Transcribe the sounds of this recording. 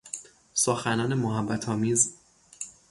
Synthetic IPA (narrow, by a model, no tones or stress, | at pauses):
soxænɒːne̞moɦæbːæt̪ʰɒːmiːz